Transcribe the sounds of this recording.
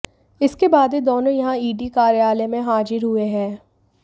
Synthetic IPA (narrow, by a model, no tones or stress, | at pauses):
ɪskebaːd̪ed̪oːnõjɐɦãiːɖikaːɾjaːlemẽɦaːd͡ʒɪɾɦʊeɦɛ̃ː